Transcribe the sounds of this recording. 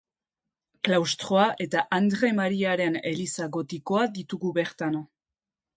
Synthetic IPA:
klawst̪ɾo̞aʔe̞t̪aʔand̪ɾe̞maɾiaɾe̞ne̞̰lisaɣo̞t̪iko̞aðit̪uɣuβe̞ɾt̪ano

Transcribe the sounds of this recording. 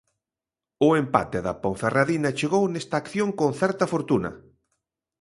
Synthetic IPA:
ʊempa̰t̪eðɐpõɱferaðinɐt͡ʃeɣownɛst̪aːkθjoŋkonθɛɾt̪ɐfoɾt̪unɐ̰

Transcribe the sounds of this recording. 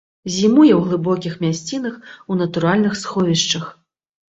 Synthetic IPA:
zʲimujɛwɣlˠɨbɔkʲixmʲasʲt͡sʲin̪ɐxun̪ɐt̪uɾalʲnɨxsxɔvʲiʂt͡ʂɐx

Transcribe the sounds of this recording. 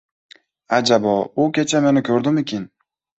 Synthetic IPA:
ad͡ʒabɒʊkʲʰe̞t͡ʃʰame̞nɪkʲʰɵɾd̪ɪmɪkʲɪn

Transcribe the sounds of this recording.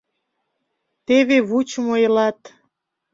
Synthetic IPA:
t̪eβeβut͡ɕəmojlɑt̪

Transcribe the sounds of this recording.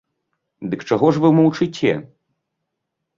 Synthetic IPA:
d̪ɨkt͡ʂaɣɔʐvɨwmɔwt͡ʂɨt͡sʲːɛ̰

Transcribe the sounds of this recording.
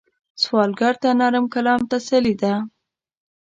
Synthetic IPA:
swɑlɡaɾt̪anaɾəmkalɑmt̪asalid̪a

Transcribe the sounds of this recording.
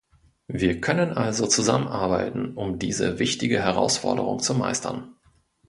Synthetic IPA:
viːɐkʰœnənʔalzot͡suza̰mənʔaɐbaɪtn̩ʔʊmdiːzə̰vɪçtɪɡəɦɛʁ̞a̰ʊsfɔ̰ɐdə̰ʁ̞ʊ̰ŋt͡suma̰ɪstʰɐ̰n

